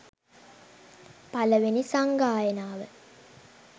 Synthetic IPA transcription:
paləʋenisaŋɡaːjənaːʋə

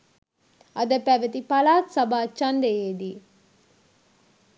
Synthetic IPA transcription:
ɐd̪əpæʋət̪ipalaːt̪sabaːt͡ʃand̪ejeːd̪iː

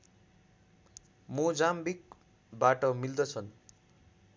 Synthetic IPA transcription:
mud͡zambik | baʈʌmild̪ʌt͡sʰʌn

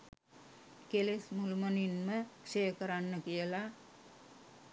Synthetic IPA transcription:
kelesmulməninməkʂejəkəɾanːəkijəla

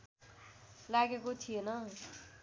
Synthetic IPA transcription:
laɡekot͡sʰijenʌ

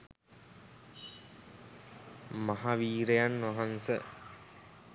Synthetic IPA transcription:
maɦaʋiːɾejanʋaɦansə̰

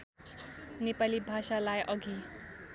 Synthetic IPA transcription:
nepalibʱasalajʔʌɡi

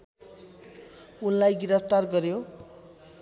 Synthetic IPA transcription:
unlajɡiɾʌp̚ʰt̪arɡʌɾjo

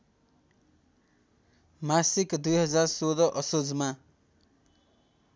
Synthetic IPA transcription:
masikd̪ujɦʌd͡zarsod̪ʌʔʌsod͡zma

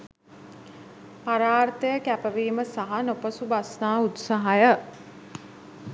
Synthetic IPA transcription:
paɾaːrt̪əjəkæpəʋiːməsaɦanopəsubasnaːut̪saɦajə

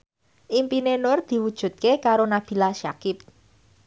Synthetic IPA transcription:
ʔimpinenʊrd̪̥i̤wud̥ʒ̥ṳt̪̚kekaɾonab̥i̤laʃakɪp̚

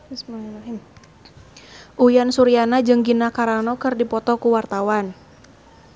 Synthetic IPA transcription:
smaɦim | ʔujansuɾianad͡ʒɨŋɡinakaɾanɔkɨrdipɔt̪ɔkuwart̪awan

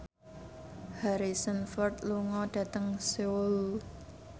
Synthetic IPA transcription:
haɾisənfɔrt̪luŋɔɖ̥ä̤t̪əŋsewəl

